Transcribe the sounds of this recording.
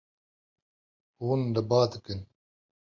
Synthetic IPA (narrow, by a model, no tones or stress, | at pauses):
wuːnləbɑːd̪ɨkɨn